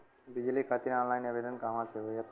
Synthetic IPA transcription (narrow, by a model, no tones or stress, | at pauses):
bid͡ʒlikʰat̪iɾɔ̃ːnlaɪneʋeɖənkaɦʋãseɦoja